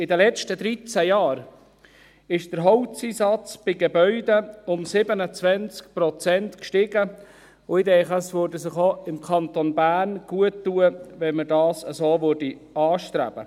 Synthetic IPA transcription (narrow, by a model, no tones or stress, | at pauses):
ɪdɛlɛt͡ʃtəd̪ɾit͡sæjɑːɾ | ɪʃd̥əɾɦɔwt͡sisɑt͡sb̥ɪɡebœʏdəʊmsɪbənət͡svɛnt͡skpɾot͡sɛntkʃtɪɡə | ʊidɛχəsʋøɾdəsɪχoɪmkʰɑnt̪onbæːrnɡ̥uətːuəʋɛnmədɑːsəzoːʋørdiɑːʃtɾæ̰b̥ə̰